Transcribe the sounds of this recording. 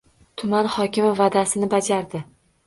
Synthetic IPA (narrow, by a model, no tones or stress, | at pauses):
t̪ʰʊmanhɒkʲɪmɪvad̪asɪnɪbad͡ʒaɾd̪ɪ